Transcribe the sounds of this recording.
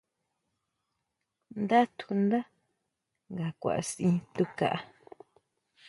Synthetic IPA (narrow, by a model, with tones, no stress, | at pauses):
nd̪a˦t̪ʰu̥˧nd̪a˦ | ŋɡa˨kʷa̰˨ʔa̰˨sĩ˧t̪u˧ka̰˨ʔa˦˧